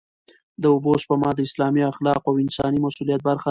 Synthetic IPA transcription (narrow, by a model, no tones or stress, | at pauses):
d̪əʊboʃpəmɑd̪əɪslɑmiaxlɑqawɪnsɑnimasulijat̪̚baɾxa